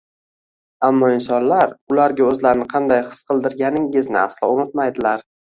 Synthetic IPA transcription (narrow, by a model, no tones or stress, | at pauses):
amːɒɪnsɒnlaɾʊlaɾɡʲaɵzlaɾɪnɪqʰɑnd̪ajχɨ̥sqɨlˠd̪ɪɾɡʲanɪŋɪznɪ̰a̰slɒ̰ʊnɪt̪̚majd̪ɪlaɾ